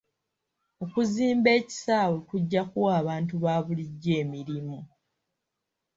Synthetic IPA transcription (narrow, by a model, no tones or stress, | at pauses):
o̞kuziːmbe̞ːci̥saːwekuɟːakuaːβaːntuβaːβuliɟːe̞ːmiɾimu